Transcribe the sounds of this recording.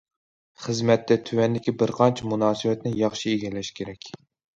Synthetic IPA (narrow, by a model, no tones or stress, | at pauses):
χɨzmɛt̪ːɛt̪ʰywɛnd̪ɪkʲibɪɾqʰɑnt͡ʃʰɛmunɑːsɨwɛt̪nɪjɑχʃieɡʲɛlɛʃkʲʰeɾɛkʲ